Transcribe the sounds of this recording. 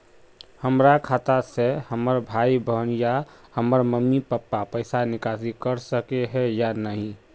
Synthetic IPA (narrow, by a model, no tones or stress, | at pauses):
həmɾakʰaːt̪asehəməɾbʱaːibəɦnjahəməɾməmːipəpːapəɪsanɪkaːsikəɾsəkeɦɛjanəɦĩ